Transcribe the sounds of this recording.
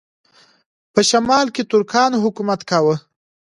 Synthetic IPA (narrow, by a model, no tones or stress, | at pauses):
pəʃamɑlket̪ʊɾkʰɑnɦʊkumat̪kawə